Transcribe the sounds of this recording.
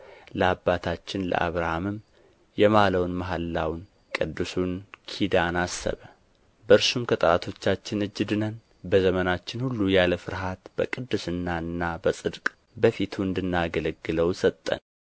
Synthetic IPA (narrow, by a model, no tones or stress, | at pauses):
ləabːat̪ʰat͡ʃːɪnlə̰ʔa̰βɾahamɨm | jɛmaləwnmaɦalːawn | kʼɨd̪ːɨsunkʰid̪anasːə̰βə | bəɨɾsumkʰət̪ʼəɾat̪ʰo̞t͡ʃːat͡ʃːɪnɨd͡ʒːɨd̪ɨnən | bəzəmənat͡ʃːɪnhulːujaləfɨɾɦat̪bəkʼɨd̪ːɨsɨnːaɨnːabəsʼɨd̪kʼ | bəfit̪ʰuɨnd̪ɨnːaɡələɡːɨləwsət̪ʼːə̰n